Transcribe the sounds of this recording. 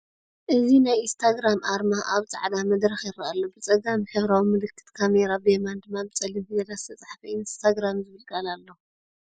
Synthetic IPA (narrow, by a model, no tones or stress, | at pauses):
ʔɨzinajʔinst̪ʰaɡɾamʔaɾmaʔaβt͡sʼa̰ʕd̪amɐd̪ɾɐxjɪɾɐʔalːobɨt͡sʼɐɡamiħɨβɾawimɨlɨkʰːɨ̥t̪kʰameɾabɨemand̪ɨmːabɨt͡sʼɐlimfɨɡɐlast̪ʰɐt͡sʼaħfɐʔinst̪ʰaɡɾamzɨβɨlkʼɐlalːo